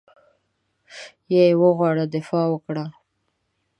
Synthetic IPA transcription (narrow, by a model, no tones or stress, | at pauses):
jejewəɣwɑɽad̪ɪfɑwəkɽa